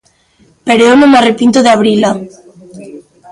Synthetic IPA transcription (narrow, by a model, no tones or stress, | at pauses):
peɾoewnõmearepint̪oðeaβɾila